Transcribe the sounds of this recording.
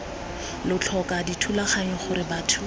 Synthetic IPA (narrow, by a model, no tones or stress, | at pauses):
lʊt͡ɬʰɔkaditʰulaχaɲɔχʊɾɪbaːtʰʊ